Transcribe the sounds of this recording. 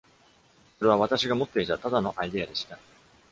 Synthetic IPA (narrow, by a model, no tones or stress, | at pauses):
soɾe̞β̞aβ̞at̪aɕiɡamo̞t̪ːe̞it̪at̪ad̪ano̞ʔaid̪e̞ad̪e̞ɕi̥t̪a